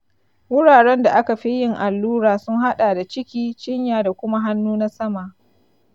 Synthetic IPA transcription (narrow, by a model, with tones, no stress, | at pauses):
wʊ˦ɽaː˨ɽɛ˦nda˨ʔa˦ka˨ɸi˦jɪ˦ŋʔa˨lːuː˦ɾaː˨sʊ˦ŋɦa˦ɗaː˨da˨t͡ʃɪ˦kʲiː˦t͡ʃɪ˦ɲjaː˨da˨kʷʊ˦ma˦ɦa˦nːuː˦na˦sɐ˦ma˨ʔ